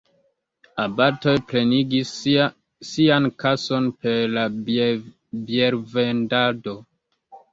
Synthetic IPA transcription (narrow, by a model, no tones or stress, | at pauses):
abato̞jpɾe̞niɡisː | iankaso̞npe̞ɾla | bjeɾve̞ndado̞